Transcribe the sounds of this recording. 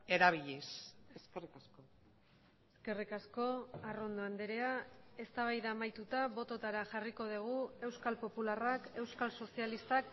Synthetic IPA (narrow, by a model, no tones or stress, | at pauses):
eɾaβiʎeseskerikasko | eske̞rikasko̞aro̞nd̪o̞and̪eɾeae̞st̪aβ̞ajðaːmajt̪ut̪aβo̞t̪o̞t̪aɾaʝariko̞ð̞iɣ̞ue̞wskalpo̞pularake̞wskalso̞sialist̪ak